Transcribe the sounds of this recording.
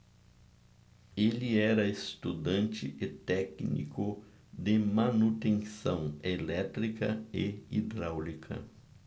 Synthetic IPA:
elɪɛɾɐest̪ud̪ɐ̃nt͡ʃɪʔet̪ɛknḭkʊ | d̪ɪmanut̪ẽŋsɐ̃w̃elɛt̪ɾikɐeid̪ɾawlikʰɐ̰

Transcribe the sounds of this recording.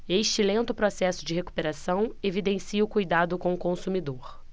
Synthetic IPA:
eʃt͡ʃɪlẽnt̪ʊpɾosɛsʊd͡ʒɪɦeku̥peɾasɐ̃w̃evid̪ẽsiɐʊkujd̪ad̪ʊkõw̃ʊkõsumid̪oɾ

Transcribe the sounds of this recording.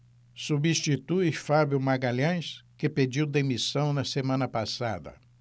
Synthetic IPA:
subiʃt͡ʃit̪uɪfabjʊmaɡalɐ̃j̃skɪped͡ʒiwd̪emisɐ̃w̃nɐsemɐ̃nɐpasa̰d̪ɐ̰

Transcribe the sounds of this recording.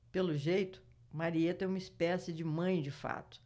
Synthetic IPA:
pelʊʒejt̪ʊ̥ | maɾiet̪ɐ̃ɛ̃umispɛsɪd͡ʒɪmɐ̃j̃d͡ʒɪfa̰t̪ʊ̥

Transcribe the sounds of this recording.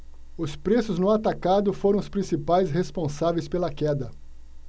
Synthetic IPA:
ʊspɾesʊznʊat̪akad̪ʊfoɾɐ̃w̃ʊspɾĩsipajsɦespõsavejspelɐkɛd̪ɐ

